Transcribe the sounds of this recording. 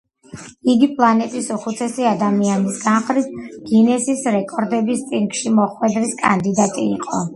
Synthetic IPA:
iɡipʼlˠanɛt̪ʼisuχut̪sʰɛsiad̪amianisɡanχɾit̪̚ʰɡ̥inɛsisɾɛkʼɔɾd̪ɛbist̪ʼiŋɡʃimɔχwɛd̪ɾiskʼa̰nd̪id̪at̪ʼiːqʼɔ̰

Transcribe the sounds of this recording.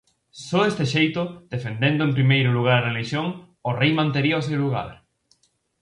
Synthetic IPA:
sɔest̪eʃejt̪ʊd̪̥efend̪end̪ʊẽmpɾimejɾʊluɣ̞aɾɐreliʃjoŋ | ʊrejmãnt̪eɾiɐʊs̬ewluɣ̞a̰ɾ

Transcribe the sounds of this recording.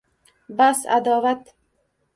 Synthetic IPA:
basa̰d̪ɑːvat̪

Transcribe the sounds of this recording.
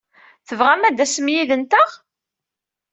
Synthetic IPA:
θəvʁæmæd̪æsəmjiðənt̪əʁ

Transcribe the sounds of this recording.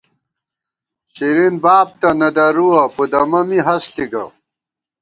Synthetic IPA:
ɕiɾinbaːb̚t̪ɐnɐd̪ɐɾuɐpud̪ɐmɐmiɦɐsɬiɡɐ̰

